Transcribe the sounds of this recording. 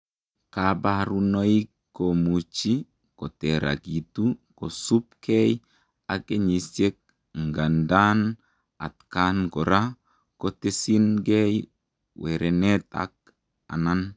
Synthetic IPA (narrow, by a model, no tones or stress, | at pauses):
kabaɾunoikː | omut͡ʃi | koteɾa̰ɡitukosupkej | akeɲisjek̚ | ŋɡandan | a̰tkanɡoɾa | kotesinɡej | weɾeneta̰k̚ | a̰nan